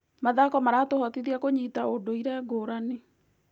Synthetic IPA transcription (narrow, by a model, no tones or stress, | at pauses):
maðakɔmaɾatohɔtiðiakoɲitaodoiɾɛɡoːɾane